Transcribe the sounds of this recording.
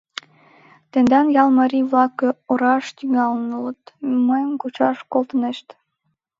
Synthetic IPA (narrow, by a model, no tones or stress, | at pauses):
t̪end̪ɑnjɑlˠmɑɾʲijβlɑkːəoɾɑʃt̪yŋɑlənulət̪məjəmkut͡ɕɑʃkolt̪əneʃt̪